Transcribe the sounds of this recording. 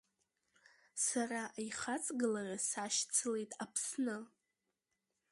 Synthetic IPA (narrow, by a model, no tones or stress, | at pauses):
saraʔiχat͡sʼɡɨlarasaʃt͡sʰɨle̞jtʼapʰsnɨ